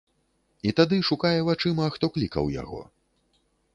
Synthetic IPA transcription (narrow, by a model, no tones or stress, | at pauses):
it̪ad̪ɨʂukajɛvat͡ʂɨmɐxt̪ɔklʲikɐ̰wja̰ɣɔ̰